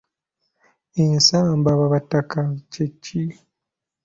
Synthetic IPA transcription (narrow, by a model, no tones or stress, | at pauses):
ensaːmbaβaβatakat͡ʃet͡ʃːi